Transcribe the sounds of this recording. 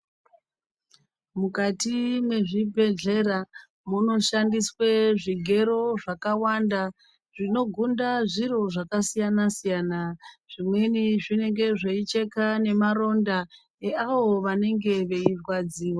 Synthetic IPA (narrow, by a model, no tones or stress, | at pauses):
mukatimwe̞ʐibʱe̞ɮe̞ɾa | muno̞ʃandisweʐiɡʱe̞ɾo̞ʐakawanda | ʐ̥ino̞ɡʱundaʐiɾo̞ʐakasijanasijanaʐ̥imwe̞niʐine̞ŋɡe̞ʐeit͡ʃe̞kane̞maɾo̞nda | eaʋo̞ʋane̞ŋɡe̞ʋe̞ivwad͡ziːwa